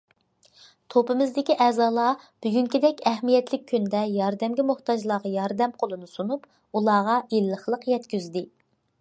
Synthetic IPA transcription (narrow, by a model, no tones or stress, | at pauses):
t̪ʰopɨmɪzd̪ɪkʲiʔɛːzɑːlˠɑb̥yɡʲyŋkʲid̪ɛkʲɛhmijɛt̪lɪk̚ʲʰːynd̪ɛjɑɾd̪ɛmɡʲimʊht̪ʰɑd͡ʒlˠɑʁɑjɑɾd̪ɛmqʰolˠunusunup | ulˠɑːʁɑilːəχlˠəqjɛt̪kʲyzd̪ɪ